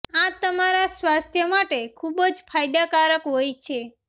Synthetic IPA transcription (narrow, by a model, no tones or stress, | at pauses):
ãt̪əmaɾasʋast̪ʰjəmaʈekʰubd͡ʒfajd̪akaɾəkɦojt͡ʃʰe